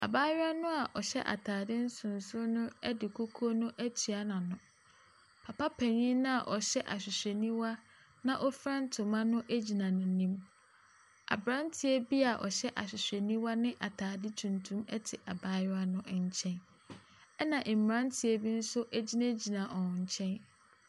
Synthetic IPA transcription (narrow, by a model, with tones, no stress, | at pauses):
a̰˨baː˦ja˦nʊ̃˦a˨ʔɔ˨ɕɛ̰˦ʔa̰˨tʰaː˨dɪ˦n̩˦sʊ̃˨n˨sʊ˦nʊ̃˦ɛ˦dɪ˨kʰo˦kʰo˦nʊ̃˦ʔæ˦tʰi˨a˦nã˨nʊ̃˨ | pʰa˨pa˦pʰɛ˨ɲĩ˦nʊ̃˦a˨ʔɔ˨ɕɛ˦ʔa̰˨ɕᶣɪ˨ɕᶣɛ˨nĩ˦wa˦ | nã˦ʔɔ˦fɾã˦n̩˦tʰʊ˨mã˦nʊ̃˦ʔæ˦d͡ʑi˨nã˨nʊ̃˨nĩ˦m | a̰˨bɾã˦n˦tʰɪ˦ɛ˦bi˦a˨ʔɔ̰˨ɕɛ˦ʔa̰˨ɕᶣɪ˨ɕᶣɛ˨nĩ˦wa˦nɪ̃˦ʔa˨tʰaː˨dɪ˦tʰũ˨ntʰũ˦mɛ˦tʰɪ˨ʔa˨baː˦ja˦nʊ̃˦˨ɲ̩˨t͡ɕʰɛ̃˦n | ɛ˦nã˨ʔ̩˨m̩˨m˨ɾã˦n˦tʰɪ˨ɛ˦bi˦n̩˦sʊ˦ʔæ˦d͡ʑi˦næ̃˦d͡ʑi˨nã˨ʔɔ̃˨ɲ̩˨t͡ɕʰɛ̃˦n